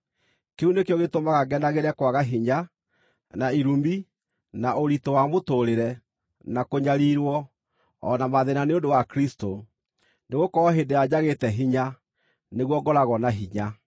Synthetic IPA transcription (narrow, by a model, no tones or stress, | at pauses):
keunekjɔɣetomaɣaɡɛnaɣeɾɛkwaɣaɦiɲa | naiɾumbi | naʔoɾitowamotoɾeɾɛ | nakoɲaɾiɾwɔ | ɔ̰namaðenaneondowakɾisto | neɣokɔɔɦendead͡ʑaɣetɛɦiɲa | neɣwɔɡɔɾaɣɔnaɦiɲa